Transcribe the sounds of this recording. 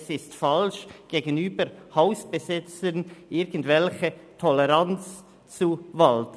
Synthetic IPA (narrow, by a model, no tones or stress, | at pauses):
sɪstfalʃɡ̥eːɡənyːbəɾhaʊsb̥əzɪt͡sənʔɪɐɾɡn̩dvɛlçətʰɔlɛʁant͡s | t͡suvalt